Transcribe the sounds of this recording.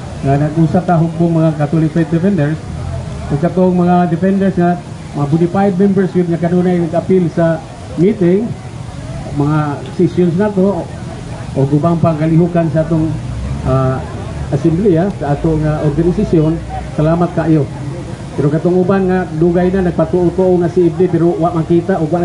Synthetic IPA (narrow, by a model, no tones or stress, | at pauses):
ŋanaɡusat̪aɦʊk̚bʊŋmaŋakat̪olikfat̪̚d̪ɛfɛndɛɹsoɡ̚kat̪oŋmaŋadɪfɛndɛɾsŋa | maabunipajd̪̚mɛmbɛɾsɪp̚ŋakanonajnaɡapɪlsa | mit̪ɪŋ | maŋasisjons̬nat̪o | ʊɡʊbaŋpaŋkaliɦukansaat̪oŋa | ʔasɛmbliasaat̪oŋaʔorɡanɪsasjon | salamat̪̚kaʔajo | peɾokat̪oŋubanŋaduɡajnanaɡ̚pat̪ʊʔʊt̪oʔoŋasiib̚dipeɾowaʔmakit̪aʔʊɡwaʔ